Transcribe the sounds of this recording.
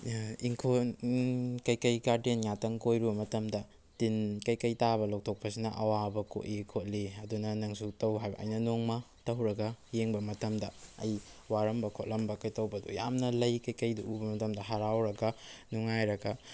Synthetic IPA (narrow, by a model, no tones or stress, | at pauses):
iŋkʰonkɐjkɐjkaɾtenŋatɐŋkojɾubɐmɐtɐmdɐ | tinkɐjkɐjtabɐlok̚tʰok̚pɐsinɐ̰ʔɐwabɐko̰ʔikʰot̚liɐdunɐnɐŋsutɐwɦajbɐ̰ʔɐ̰jnɐnoŋmɐ | tɐwɾɐɡɐjeŋbɐmɐtɐmdɐ̰ɐ̰jwaɾɐmbɐkʰot̚lʔɐmbɐkɐjtɐwbɐdṵja̰mnɐlɐjkɐjkɐjduʔubɐmɐtɐmdɐɦaɾawɾɐɡɐnuŋajɾɐɡɐ